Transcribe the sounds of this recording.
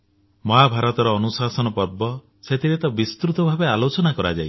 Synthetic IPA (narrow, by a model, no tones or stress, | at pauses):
mɔɦabʱaɾɔt̪ɔɾɔːnusasɔnɔpɔɾbɔ | set̪ʰiɾet̪ɔbist̪ɾut̪ɔbʱabealot͡ʃɔnakɔɾa̰d͡ʒa̰j